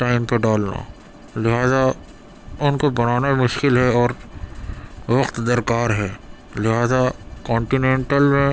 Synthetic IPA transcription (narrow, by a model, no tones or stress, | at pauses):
ʈaːɪmpɐɖaːlna̰ | lɪɦaːza | ʊnkobɐnaːnamʊʃkɪlɦɛɔːɾ | ʋɐqt̪d̪ɐɾkaːɾɦɛː | lɪɦaːzakɔ̃ːɳʈinẽːɳʈəlmẽ